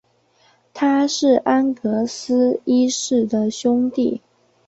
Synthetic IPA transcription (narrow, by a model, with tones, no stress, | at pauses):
t̪ʰa˥ʂɻ̩˥˩ʔa˥nkɤ˧˥sɹ̩˥i˥ʂɻ̩˥˩d̪ə˨ɕjʊ˥ŋt̪i˥˩